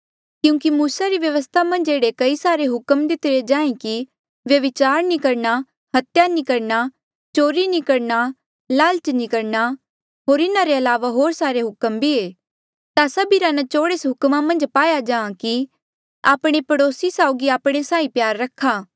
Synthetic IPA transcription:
kjũːkimuːsaɾiʋjɐʋəst̪ʰamɐ̃nd͡ʒeːɽekɐisaːɾeɦʊkəmd̪ɪt̪ɪɾed͡ʒãːẽki | ʋjɐʋɪt͡ʃaːɾnĩkɐɾɳa | hɐt̪janĩkɐɾna | t͡ʃoːɾinĩkɐɾna | laːlt͡ʃnĩkɐɾna | ɦoːɾɪnãɾeɐlaːʋaɦoːɾsaːɾeɦʊkəmbʱieː | t̪asɐbiɾanɐt͡ʃoːɽeːsɦʊkmamɐ̃nd͡ʒpaːjad͡ʒãːãki | aːpɽ̃epɐɽoːsisaːʊɡiaːpɽ̃esãːĩpjaːɾːɐkʰːaː

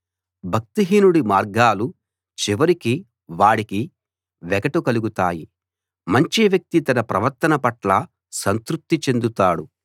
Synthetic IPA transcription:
bʱɐk̚t̪iɦiːnuɽimaːɾɡaːlu | t͡ʃiʋɐɾiki | ʋaːɽiki | ʋɛkɐʈukɐluɡut̪aːji | mɐɲt͡ʃiʋjɐk̚t̪it̪ɐnɐpɾɐʋɐɾt̪ɐnɐpɐʈlɐ | sɐnt̪ɾuk̚t̪ːit͡ʃe̞nd̪ut̪aːɽu

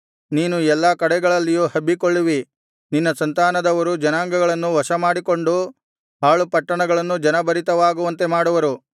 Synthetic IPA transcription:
niːnuɛlːaːkɐɽɛɡɐɭɐlːijuːhɐbːikoɭːuʋi | ninːɐsɐnt̪aːnɐd̪ɐʋɐɾud͡ʒɐnaːŋɡɐɡɐɭɐnːuʋɐʂɐmaːɽiko̞ɳɖu | ɦaːɭupɐʈːɐɳɐɡɐɭɐnːud͡ʒɐnɐbɐɾit̪ɐʋaːɡuʋɐnt̪e̞maːɽuʋɐɾu

